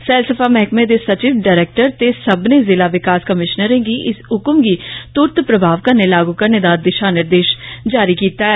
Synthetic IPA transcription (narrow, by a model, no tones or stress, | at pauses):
fɛːlsəfaːmɛɦkmẽːd̪eːsət͡ʃiːʋɖaːɾeːk̚ʈəɾt̪eːsəbnẽːzɪlaːʋɪkaːskəmɪʃnəɾẽːɡiːʔɪsʊkəmɡiːt̪ʊɾt̪pɾəbʱaːʋkəɾneːlaːɡuːkəɾneːd̪aːd̪ɪʃaːnɪɾd̪eːʃd͡ʒaːɾiːkiːt̪aːɛː